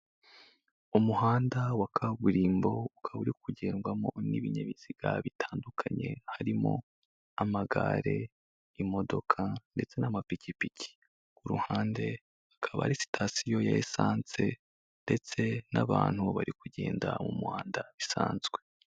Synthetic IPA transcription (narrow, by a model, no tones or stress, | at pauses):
umuɦaːndawakʰaβuɾiːmbo̞ukʰaβuɾikuɟe̞ːŋɡwamo̞niβiɲeβiz̥iɡ̥aβitʰaːndukʰaɲe̞haɾimo̞̰ | amaɡaɾe̞ | imo̞do̞kʰande̞t͡se̞namapicipici̥ | kuɾṵhaːnde̞ | akʰaβa̰ɾisi̥tʰasijo̞jaesaːnt͡se̞ | nde̞t͡se̞naβaːn̥huβaɾikuɟḛːndamumuhaːndaβisaːnzɡwe̞